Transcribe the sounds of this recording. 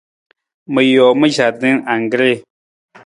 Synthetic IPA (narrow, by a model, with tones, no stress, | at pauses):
mə˨jɔː˨mə˦ʒa˨dɨ˦ŋa˨ŋ˨ɡɾe˦˨